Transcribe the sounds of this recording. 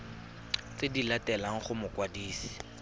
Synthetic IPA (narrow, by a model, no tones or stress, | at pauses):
t͡sedilatɛlaŋ̩χʊmʊkwadiːsi̥